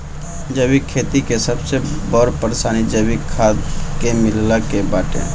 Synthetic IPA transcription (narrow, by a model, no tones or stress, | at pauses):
d͡ʒəbikʰːeːt̪ikesəbsebɔɾpəɾsaːnid͡ʒəbikʰːaːd̪kemɪllakebaːʈḛ̃ː